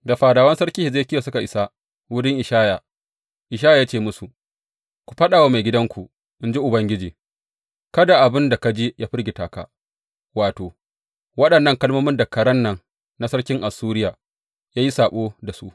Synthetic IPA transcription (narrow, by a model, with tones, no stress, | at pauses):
da˨ɸaː˨daː˨wɐ˦nsɐ˦ɽkʲiː˦hɪ˨zeː˦kʲɪ˦ja˨sʊ˦ka˨ʔɪ˨sa˦ | wʊ˦ɽɪ˦ŋʔɪ˨ʃaː˦ja˨ | ʔɪ˨ʃ̬aː˦ja˨jaː˦t͡ʃeː˦˨mʊ˦su˨ʔ | kʷu̥˨ɸɐ˦ɗaː˨waː˦ma˨jɡʲɪ˦dɐ˦ŋkʷu˨ | ʔɪ˦nd͡ʒi˦ʔʊ˨bɐ˦ŋɡʲɪ˦d͡ʒiː˨ | kɐ˦da˨ʔa˨bɪ˦nda˨ka˦d͡ʒe˦jaː˦ɸɪ˦ɾɡʲɪ˨taː˨ka̰˨ | waː˨toː˨ | wɐ˦ɗɐ˨nːɐ˦˨ŋkɐ˦lmoː˦mɪ˦nda˨kɐ˨ɽɐ˦nːɐ˨ŋ | na˦sɐ˦ɽkʲɪ˦ŋʔa˨suː˦ɾɪ˦jaː˨ | jaː˦ji˦saː˨ɓoː˦da˨su˦ʔ